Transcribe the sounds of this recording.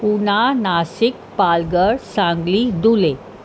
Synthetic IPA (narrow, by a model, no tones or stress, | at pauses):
punanasik̚ | palɡəɽsãŋɡliːd̪ule